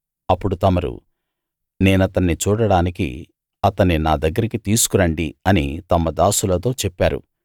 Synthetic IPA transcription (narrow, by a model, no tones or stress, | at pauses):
ɐpːuɽut̪ɐmɐɾṵ | ne̞ːnɐt̪ɐnːit͡ʃuːɽɐɽaːnikḭ | ɐt̪ɐnːinaːd̪ɐɡːɐɾikit̪iːsu̥kuɾɐɳɖiɐnit̪ɐmːɐd̪aːsulɐt̪o̞ːt͡ʃɛpːaːɾṵ